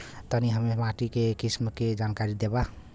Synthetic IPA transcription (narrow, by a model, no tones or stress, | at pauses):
t̪əniɦəmemaʈikekismked͡ʒankaɾid̪eba